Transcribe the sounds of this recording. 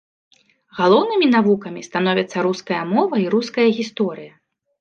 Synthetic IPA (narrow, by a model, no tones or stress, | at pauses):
ɣalˠɔwnɨmʲinavukɐmʲist̪anɔvʲɐt̪sːɐɾuskɐjɐmɔvɐiɾuskɐjɐɣʲist̪ɔɾɨjɐ